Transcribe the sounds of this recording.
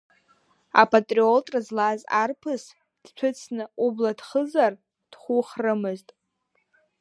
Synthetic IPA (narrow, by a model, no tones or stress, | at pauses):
a̰pʼatʼrioltʼrɨzlazarpʰɨs | d̥t͡ʃʷʰʊt͡sʰnɨubladχəzar | d̥χʷuχrɨmɨztʼ